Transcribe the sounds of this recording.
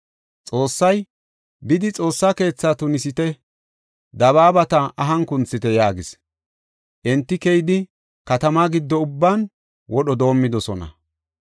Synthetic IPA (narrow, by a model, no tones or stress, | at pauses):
t͡sʼo̞ːsːɐj | bɪd̪ɪt͡sʼo̞ːsːake̞ːt͡sːaːt̪ʊnɪsɪt̪ɛ | d̪ɐβaːbɐt̪ɐʔɐɦɐŋkʊnt͡sːɪt̪ɛjaːɡɪs | ʔɛnt̪ːɪkɛjɪd̪ɪ | kɐt̪ɐmaɡɪd̪ːɔʊbːaːn | wʔɔɗɔd̪o̞ːmːɪd̪ɔsɔnɐ̰